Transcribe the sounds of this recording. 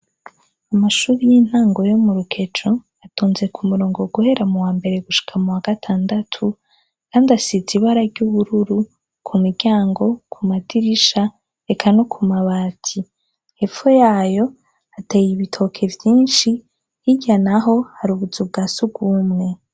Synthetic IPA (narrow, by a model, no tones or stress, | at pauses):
amaʃuːɾijin̥haːŋɡo̞jo̞muɾukʰe̞t͡ʃo̞ | atuːnze̞kʰumuɾo̞ːŋɡo̞ɡuhe̞ɾamuwaːmbe̞ɾe̞ɡuʃi̥kʰamuwaɡ̥atʰaːndatʰu | kaːndiasiziβaɾaɾɟuβuɾuɾu | kʰumiɾɟaːŋɡo̞kʰumatiɾiʃa | e̞kʰano̞kʰumaβaːtʰi | he̞fojaːjo̞ | atejiβitʰo̞kʰe̞vjiːnʃi | hiɟanaɦo̞haɾuβud͡zubɡaːsuɡuːmŋe̞